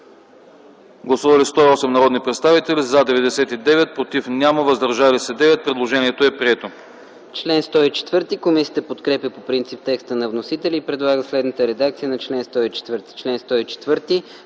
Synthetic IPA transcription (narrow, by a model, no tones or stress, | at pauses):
ɡlˠɐsuvɐlist̪ɔiɔsɛmnɐɾɔd̪nipɾɛt̪st̪avit̪ɛlizad̪ɛvɛd̪ɛsɛt̪id̪ɛvɛt̪̚pɾot̪ifnʲjaməvəzd̪əɾʒalisɛd̪ɛvɛt̪̚pɾɛd̪lˠoʒɛniɛt̪oɛpɾiɛt̪o | t͡ʃlɛnst̪ɔit͡ʃɛ̥t̪vɤɾt̪ikomisijət̪əpot̪kɾɛpʲəpopɾint̪sip̚t̪ɛkst̪ənɐvnosit̪ɛlʲiːpɾɛd̪lˠaɡəslɛd̪nət̪əɾɛd̪ak̚t̪sijənɐt͡ʃlɛnst̪ɔit͡ʃɛ̥t̪vɤɾt̪i̥t͡ʃlɛnst̪ɔit͡ʃɛ̥t̪vɤɾt̪i